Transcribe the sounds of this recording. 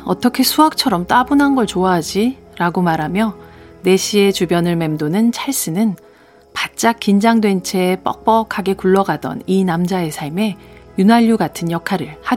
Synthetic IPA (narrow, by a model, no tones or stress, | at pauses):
ʌ̰t͈ʌkʰe̞sʰuɦak̚t͡ɕʰʌɾʌmt͈wabunɦanɡʌɭt͡ɕoaɦad͡ʑiɾaɡomaɾɦamjʌne̞ɕʰie̞t͡ɕubjʌnɯɭme̞mdonɯnt͡ɕʰaɭs͈ɯnɯn | pat̚t͡ɕ͈ak͈ind͡ʑaŋdwe̞nt͡ɕʰe̞p͈ʌ̰k̚p͈ʌkʰaɡe̞kuɭːʌɡadʌ̰ninamd͡ʑae̞sʰaɭme̞junɦaʎːuɡatʰɯnjʌkʰaɾɯɭhad